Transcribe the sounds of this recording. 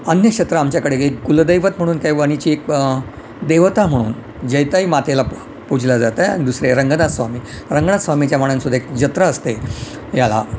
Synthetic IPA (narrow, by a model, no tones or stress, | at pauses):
ənjəkɕet̪ɾəamt͡ɕjakəɽeekɡuld̪əjʋət̪m̤əɽuːnkajʋəɽ̃it͡ɕiːek | d̪eʋt̪am̤əɽ̃uːn | d͡ʑejt̪aɦiːmat̪ʰela | pud͡ʑʱilad͡zat̪əa̰ɽ̃id̪usɾeɾəŋɡnat̪sʋamiː | ɾəŋɡənasʋamit͡ɕjamaɳənsud̪ʱaekd͡ʑət̪ɾaəst̪e | jala̰